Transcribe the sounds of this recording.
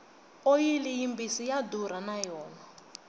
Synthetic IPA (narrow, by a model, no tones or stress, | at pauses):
ojilijimbisijaduɾanajɔːna